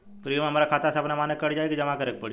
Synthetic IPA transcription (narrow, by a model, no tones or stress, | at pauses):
pɾiːmeɦɐmaːɾakʰaːt̪aseɐbnamaːnekəɽd͡ʒaːekid͡ʒɐmakəɾek̚pəɽi